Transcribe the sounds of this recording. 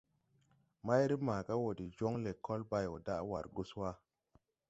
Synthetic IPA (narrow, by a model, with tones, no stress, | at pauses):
ma˦jɾi˦maː˨ka˦wo˨di˨d͡ʒo˦ŋle˨kʰːo˦lba˨jo̰˨da˦ʔwa̰˨ɾɡu˦swa˦